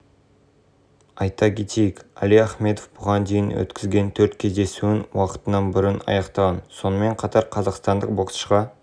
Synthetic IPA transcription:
ɑjt̪ɑkʰʲet̪ʰejɪkæ̰lijaχme̞d̪ofbʊʁɑnd̪e̞jɪnwɵ̰t̪kʲɪzɡʲe̞nt̪ʰɵɾt̪kʲʰe̞zd̪e̞suɪnwɑqə̥t̪ənɑnbɪɾɪnɑ̰jɑqt̪ɑʁɑnso̞nəme̞ɴqʰɑt̪ɑɾqʰɑzɑqst̪ɑnd̪əq̚boqsʃʁɑ

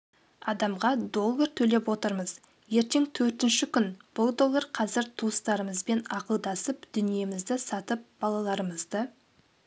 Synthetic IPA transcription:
ɑd̪ɑmʁɑd̪o̞lˠːəɾt̪ʰɵle̞pwo̞t̪əɾməz | je̞ɾt̪e̞ŋt̪ʰɵɾt̪ɪnʃɪkʲʰʏnb̥ʊlˠd̪o̞lˠːəɾqʰɑzɪɾt̪ʰuəst̪ɑɾəməzbe̞nɑqəlˠd̪ɑsəpd̪̥ʏnije̞mɪzd̪ɪsɑt̪əp̚b̥ɑlˠɑlˠɑɾəməzd̪ə

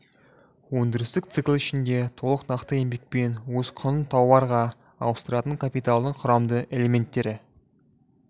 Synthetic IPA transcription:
wɵŋd̪ɪɾɪst̪ɪk̚t̪sɨklˠɪʃɪnd̪e̞t̪ʰo̞lˠəqnɑqt̪əe̞mbe̞k̚pe̞nwɵz̥qʰʊnənt̪ʰɑwɑɾʁɑ | ɑ̰wəst̪əɾɑt̪əŋkʰapijt̪alˠd̪əɴqʰʊɾɑmd̪əʔe̞le̞mʲe̞nt̪ːe̞ɾɪ

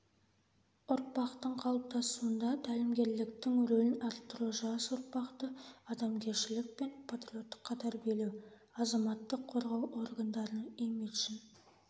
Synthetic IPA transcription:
ʊɾpɑqt̪əɴqʰɑlˠəp̚t̪ɑsuənd̪ɑt̪ʰælɪmɡʲe̞ɾlɪk̚t̪ɪŋɾɵlɪnɑɾt̪ːroʒɑsʊɾpɑqt̪əɑd̪ɑmkʲʰe̞ɾʃɪlɪk̚pe̞npʰat̪ɾio̞t̪ːə̥qʰːɑt̪ʰɑɾbe̞luw | ɑzɑmɑt̪ːəqʰːo̞ɾʁɑwo̞ɾɡand̪ɑɾənemit̪ʃɪn

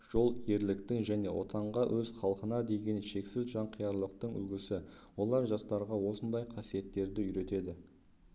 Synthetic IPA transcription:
ʒ̥o̞lˠje̞ɾlɪkt̪ɪŋʒæne̞̰wʔo̞̰t̪ɑɴʁɑʔɵzχɑlˠqənɑd̪e̞ɡʲe̞nʃe̞ksɪzʒɑɴqʰijɑɾlˠəq̚t̪əɴʏ̰ɡʲɪsɪwo̞lˠɑɾʒɑst̪ɑɾʁɑwo̞sənd̪ɑjqʰɑsije̞t̪ːe̞ɾd̪ɪʏɾe̞t̪e̞d̪ɪ

